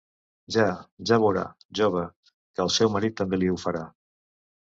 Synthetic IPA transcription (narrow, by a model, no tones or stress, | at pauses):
ʒaʒaβuɾa̰ | ʒoβə | kəəːlˠsɛwməɾit̪ːəmbeliufəɾa